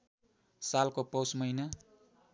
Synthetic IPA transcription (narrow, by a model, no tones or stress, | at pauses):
salkopʌwsmʌjna